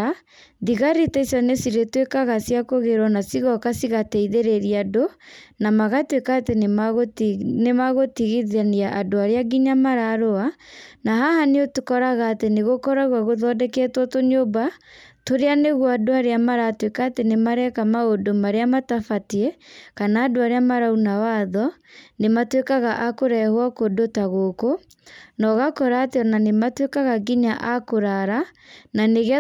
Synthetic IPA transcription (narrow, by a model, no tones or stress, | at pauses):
a | ðiɣaɾitaisjɔnesiɾetwekaɣasiakoɣeɾwɔnasiɣɔkasiɣatɛiðeɾeɾiadonamaɣatwekaːtenmɣnemaɣotiɣiðaniaʔadoaɾeaɡiɲamaɾaɾoanaɦahaneotukɔɾaɣaːteneɣokɔɾaɣwaɣoðɔːdɛkɛtwɔtoɲobatoɾeaneɣwadoaɾeamaɾatwekaːtenemaɾɛkamaodomaɾeamatafatiɛkanaːdoaɾeamaɾaunawaðɔ | nematwekaɣaʔakoɾɛhwakodotaɣoko | nɔɣakɔɾaːteɔnanematwekaɣaɡiɲaʔakoɾaɾa | naneɣ